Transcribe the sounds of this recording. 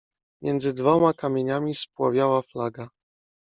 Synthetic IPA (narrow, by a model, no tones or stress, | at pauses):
mʲjɛnd̪zɘd̪vɔmakamʲjeɲamʲispwavʲjawaflaɡa